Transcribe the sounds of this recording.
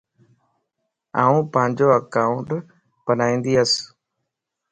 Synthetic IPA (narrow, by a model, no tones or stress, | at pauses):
aːũːpəːɲd͡ʒoːəkaːʊɳʈ | pənaːĩːnd̪iːɦəs